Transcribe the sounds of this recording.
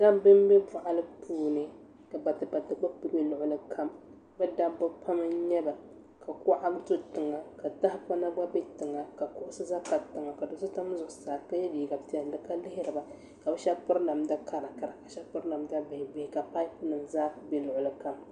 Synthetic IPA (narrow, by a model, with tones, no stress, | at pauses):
ɡa˦bɨ˦mbe˦pʊ˨ʔa˨lɨ˦pʰuː˦nɨ˨ | ka˨ba˨tɨ˨ba˨tɨ˨ɡ͡ba˦kbɨ˨be˦lʊ˨ʔʊ˨lɨ˦kʰa˦m | bɛ˦da˦bɨ˦pʰa˦mɨ˦ɲɛ˦ba˨ | ka˨kʊ˦ʔa˦btʊ˦tɨ˨ŋa˨ka˨ta˦hɪ˦pa˦na˦ɡ͡ba˦be˦tɨ˨ŋa˨ka˨kʊ˦ʔʊ˦sɨ˦za˦ka˨tɨ˨ŋa˨ka˨dʊ˦sɨ˦ta˦m˦zʊ˨ʔʊ˨saː˨ka˦jɛ˦biː˨ɡa˨ti˦ɛ˨n˦dɨ˨ka˦lɪ˦hɪ˦ɾɨ˨ba˨ | ka˨bɛ˦ʃɛ˦pʊ˦ɾla˨mda˦ka˦ɾa˨ka˨ɾa˨ka˨ʃɛ˦pʊ˦ɾla˨mda˦bɪ˨hɪ˨bɪ˨hɪ˨ka˨pa˦i˦pnɨ˨mzaː˦be˦lʊ˨ʔʊ˨lɨ˨ka˦m